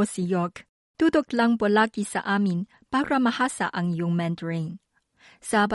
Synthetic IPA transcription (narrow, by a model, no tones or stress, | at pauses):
osijɔk | t̪ud̪ʊklaŋpolakisa̰ʔamin | paɾamɐhasa̰ʔɐŋjʊŋmɛnt̪ɹeŋ | sab